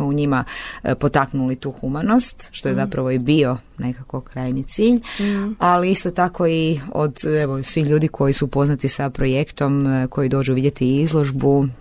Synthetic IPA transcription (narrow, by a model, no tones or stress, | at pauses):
mouɲimapo̞t̪aknulit̪uːxumano̞st̪ʃt̪o̞jezapɾaʋo̞ibio̞ne̞kako̞kɾaːjnit̪siːʎaliist̪o̞t̪ako̞io̰d̪eʋo̞sʋixʎuːd̪ikʰo̞jisupo̞znat̪isapɾo̞je̞kt̪o̞mko̞jid̪o̞ːd͡ʒuʋid̪ʲjet̪iizlˠo̞ʒbu